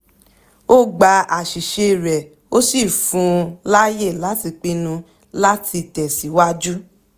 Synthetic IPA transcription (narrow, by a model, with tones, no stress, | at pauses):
o˦ɡ͡ba˨˦a˨ʃi˨ʃe˧˨ɾɛ˨ | o˦si˦˨fũ˨˧˦la˦je˦˨la˨˦ti˧k͡pi˧nũ˧ | la˦tʰi˧tɛ˨si˨˦wa˦d͡ʒu˦